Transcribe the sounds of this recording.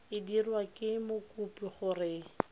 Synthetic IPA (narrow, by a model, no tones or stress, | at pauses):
ɪdirwakʼɪmokʼupʼiχʊrɪ